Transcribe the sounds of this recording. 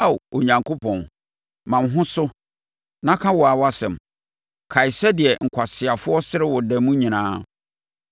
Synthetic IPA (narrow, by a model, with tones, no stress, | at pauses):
a˦˨wo˨ɲã˨ŋkʰo˦pʰɔ̃˨n | mã˨m˦ɦʊ̃˦sʊ˦ | nã˦kʰã˦wɔ˨a˨wa˦sɛ̃˨m | kʰa˨i˨sɛ˦dɪ˨ɛ˨ŋ̩˨kʷʰa˨sɪ˨a˨fʊ˦ɔ˦sɪ˦ɾɪ˦wɔ˨dɛ˨mũ˦ɲĩ˨nãː˦